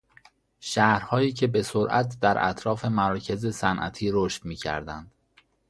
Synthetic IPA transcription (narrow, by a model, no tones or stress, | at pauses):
ʃæhɾhɒːjiːcʰe̞be̞soɾʔæ̰t̪ʰd̪æɾʔæ̰t̪ʰɾɒːfe̞mæɾɒːcʰe̞zesænʔæ̰t̪ʰiːɾoʃt̪miːcʰæ̰ɾd̪ænd̪̥